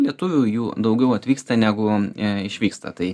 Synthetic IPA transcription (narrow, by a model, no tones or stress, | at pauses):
lʲiɛt̪ʊʋʲujuːd̪ɐʊɡʲɛʊɐt̪ʲʋʲiːkst̪ɐnʲæːɡʊɪʃʲʋʲiːkst̪ɐ̰t̪ɐɪ